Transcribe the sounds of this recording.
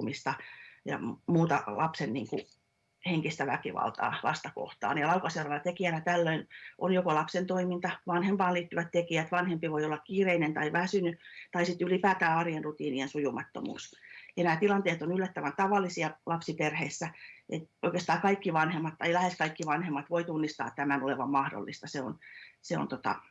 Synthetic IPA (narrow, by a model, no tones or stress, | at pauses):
mist̪ɑjɑ̰muːt̪ɑ̰lɑpsennḭːŋkṵ | heŋkist̪æʋæ̰kiʋɑ̰lt̪ɑ̰ːʋɑ̰st̪ɑko̰ht̪ɑ̰ːnjɑlɑukɑselɑnɑt̪ekiænæt̪ælːøinʔonjokolɑpsent̪oimint̪ɑʋɑnhempɑːnliːt̪ːyʋæt̪t̪ekiæt̪ʋɑnhempiʋoiolːɑkkiːreinent̪ɑiʋæsynyt̪ɑisit̪ylipæːt̪æːɑrjenrut̪iːniensujumɑt̪ːo̰mṵːsjɑnæːt̪ilɑnt̪eːt̪onylːæt̪ːæʋænt̪ɑʋɑlːisiɑlɑpsiperheisːæʔet̪oikest̪ɑːkɑikːiʋɑnhemːɑt̪ːɑilæheskɑikːiʋɑnhemːɑt̪ʋoit̪unːist̪ɑ̰ːtt̪æmænoleʋɑmmɑhdo̰lːist̪ɑseo̰nseo̰nt̪ot̪ɑ̰